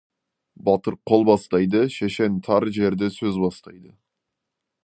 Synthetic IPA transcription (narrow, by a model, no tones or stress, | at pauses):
bɑt̪əɾqʰo̞lˠbɑst̪ɑjd̪əʃeʃe̞nt̪ʰɑɾʒe̞ɾd̪ɪsɵzbɑst̪ɑjd̪ə